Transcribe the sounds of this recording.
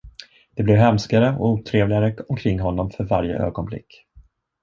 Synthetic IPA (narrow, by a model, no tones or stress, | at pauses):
d̪̥ɛblɛvɦɛmskaɾəɔ̰uːt̪ʰɾeːvlɪɡaɾəɔmkʰɾɪŋːɦɔnːɔmfœɾvaɾjə̰ʔø̰ːɡɔnblɪ̰kː